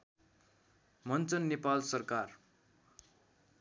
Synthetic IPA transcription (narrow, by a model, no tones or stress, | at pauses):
mʌnt͡sʌnːepalsʌrkar